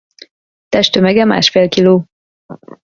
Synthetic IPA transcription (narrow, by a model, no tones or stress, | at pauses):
t̪ɛʃt̪ømɛɡɛma̰ːʃfeːlkiloː